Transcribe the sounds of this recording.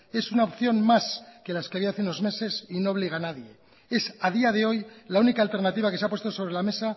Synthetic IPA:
e̞sunaopθjo̞nmaske̞laskeaβiaaθeuno̞zme̞se̞sino̞ːβ̞liɣ̞anaðje̞ | e̞sað̞iaðe̞o̞jlaunikaːlt̪e̞ɾnat̪iβakes̬eapwest̪o̞so̞β̞ɾe̞lame̞sa

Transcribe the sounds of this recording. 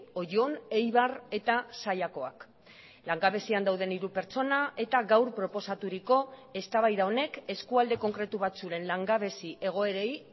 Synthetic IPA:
o̞ʝone̞jβare̞t̪asajako̞a̰k | laŋɡaβe̞siand̪awðe̞niɾupe̞ɾt͡so̞naʔe̞t̪aɣawɾpɾo̞po̞sat̪uɾiko̞e̞st̪aβajðao̞ne̞ke̞skuald̪e̞ko̞ŋkɾe̞t̪uβ̞at͡suɾe̞nlaŋɡaβe̞siʔe̞ɣ̞o̞e̞ɾej

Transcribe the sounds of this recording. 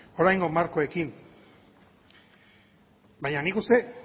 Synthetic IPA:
o̞ɾajŋɡo̞maɾko̞e̞kin | bajɲanikust̪e̞

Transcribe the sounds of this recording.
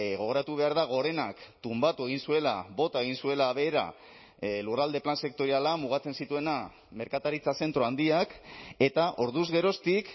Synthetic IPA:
ɣo̞ɣ̞o̞ɾat̪uβ̞e̞aɾðaɣ̞o̞ɾe̞nakt̪umbat̪ue̞ɣ̞insue̞labo̞t̪ae̞ɣ̞insue̞laːβeːɾa̰ | lurald̪e̞planse̞k̚t̪o̞ɾialamuɣ̞at͡se̞nsit̪ue̞na | me̞ɾkat̪aɾit͡sase̞nt̪ɾo̞and̪iake̞t̪aʔo̞ɾðuzɣe̞ɾo̞st̪ik

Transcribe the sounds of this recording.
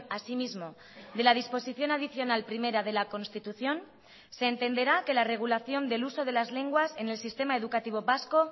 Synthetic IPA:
asimizmo̞ | ðe̞lað̞ispo̞siθjo̞nað̞iθjo̞nalpɾime̞ɾað̞e̞lako̞nst̪it̪uθjo̞n | se̞ːnt̪e̞nd̪e̞ɾake̞lare̞ɣ̞ulaθjo̞nd̪e̞luso̞ð̞e̞lazle̞ŋɡwase̞ne̞lsist̪e̞maeð̞ukat̪iβ̞o̞βasko̞

